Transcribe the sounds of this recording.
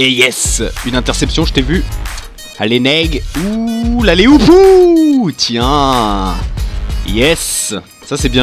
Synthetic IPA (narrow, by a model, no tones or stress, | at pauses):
ejɛsynɛ̃t̪ɛʁsɛpsjɔ̃ʒət̪evy | a̰lenɛɡulaleupu | t̪jɛ̃ | jɛsː | asɛbjɛ̃